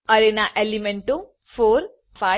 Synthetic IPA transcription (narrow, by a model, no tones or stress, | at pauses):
ɐɾenaʔelimeɳʈo | foːɾ | fa